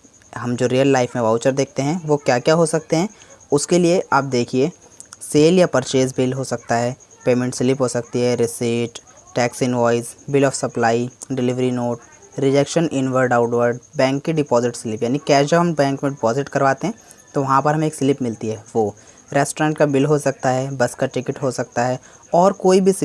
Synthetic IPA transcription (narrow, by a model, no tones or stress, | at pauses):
ɦɐmd͡ʒoːɾijəlːaːɪfmẽʋaːʊt͡ʃəɾd̪eːk̚ʰt̪eɦɛ̃ʋokjaːkjaːɦosɐk̚t̪eɦɛ̃ʊskelieʔaːp̚d̪eːkʰie | seːljapɐɾt͡ʃeːzbɪlɦosɐk̚t̪aɦɛː | peːmẽɳʈsɪlɪpɦosɐk̚t̪iɦɛɾɪsiʈʈːɛːksɪnʋɔːɪzbɪlɔːfsɐplaːiɖɪlɪʋɾinoːʈ̚ | ɾɪd͡ʒekʃənʔɪnʋəɾɖaːʊʈʋəɾɖbɛ̃ːŋkːiɖɪpɔːzɪʈsɪlɪpjaːnikjɛːd͡ʒɐbɦɐmbɛ̃ːŋkmẽɖɪpɔːzɪʈkɐɾʋaːt̪eɦɛ̃ | t̪oʋɐɦãpɐɾɦɐmẽeːksɪlɪpmɪlt̪iɦɛːʋoː | ɾɛːsʈoɾɛ̃ːɳʈkabɪlɦosɐk̚t̪aɦɛbɐskaʈɪkɪʈɦosɐk̚t̪aɦɛ | ɔːɾkoːibʱis